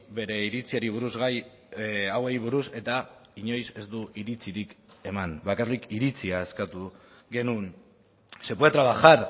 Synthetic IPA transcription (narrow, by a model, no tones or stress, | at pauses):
be̞ɾe̞iɾit͡siaɾiβ̞uɾuzɣaj | awejβ̞uɾuse̞t̪aiɲo̞jse̞zd̪uiɾit͡siɾike̞manbakarlikiɾit͡siaeskat̪u | ɡe̞nun | se̞puet̪ɾaβaxaɾ